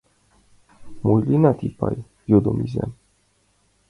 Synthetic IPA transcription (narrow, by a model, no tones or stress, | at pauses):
mojlinat̪ipa̰j | jod̪omizɛ̰n